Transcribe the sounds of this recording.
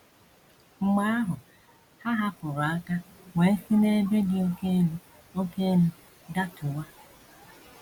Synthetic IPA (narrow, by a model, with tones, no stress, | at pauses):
ŋ͡m̩˨ma˦ɦʊ˨ | ha˦ɦa˦pʊ˨ɾʊ˨a˦ka˦ | ŋʷe˨˦si˦ne˦be˦dɪ˦o˦ke˦n̩˦ | o˦ke˦m̩˦ | da˦tʊ˨wa˦